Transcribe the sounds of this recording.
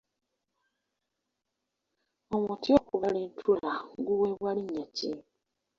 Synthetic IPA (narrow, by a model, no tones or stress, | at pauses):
omuːntiokuβaliːntʰulaŋɡuwewaliɲːaci